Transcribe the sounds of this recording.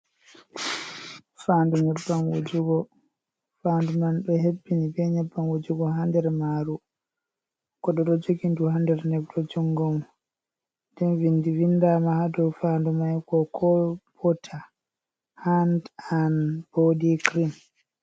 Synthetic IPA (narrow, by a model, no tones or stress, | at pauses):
fanduɲɛbːaŋɡud͡ʒuɡɔ | fandumanɗɔhebːinibɛɲɛbːaŋɡud͡ʒuɡɔɦandɛɾmaːɾu | kɔɗɔɗɔd͡ʒoɡinduhandɛɾnɛbdɔd͡ʒuŋɡɔm | ndɛnvindivinːdamahadɔwfandumajkɔkʰɔb̥ɔtʰa | handanb̥odikɾim